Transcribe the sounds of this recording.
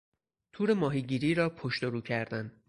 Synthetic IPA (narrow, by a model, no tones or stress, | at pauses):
t̪ʰuːɾe̞mɒːɦiːɟiːɾiːɾɒːpʰoʃt̪o̞ɾuːcʰæɾd̪æn